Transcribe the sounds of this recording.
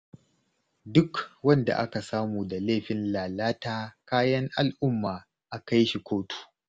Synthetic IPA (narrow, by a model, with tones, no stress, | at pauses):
dʊ˦kwɐ˦nda̰˨ʔa˦ka˨saː˦muː˨da˨leː˦˨ɸɪ˨nlaː˨laː˦taː˦kaː˦jɐ˦ŋʔa˨lʔʊ˦mːaː˨ | ʔa˨ka˦jʃi˨kʷoː˦tu̥ː˦˨